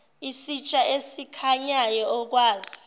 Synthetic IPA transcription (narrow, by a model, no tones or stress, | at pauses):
isit͡ʃʼaesikʰaɲajɔɔk̬waːzi